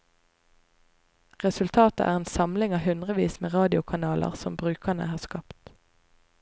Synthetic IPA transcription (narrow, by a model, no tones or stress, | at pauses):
ʁɛsʉlt̪ʰɑːt̪əʔæ̰ːʁeːnsɑmlɪŋɑːhʉnd̪ʁəʋiːsmeːʁɑːd̪ɪʊkʰɑnɑːlə̰ʁsɔmbʁʉːkənə̰hɑːskɑpt̪